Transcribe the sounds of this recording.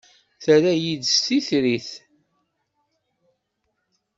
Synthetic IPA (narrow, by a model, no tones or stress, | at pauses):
θəɾæjid̪st̪iθɾiθ